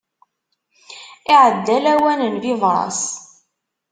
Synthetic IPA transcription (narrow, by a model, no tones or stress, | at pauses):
ɪʕəd̪ːælæwænənvivɾˤɑ̰s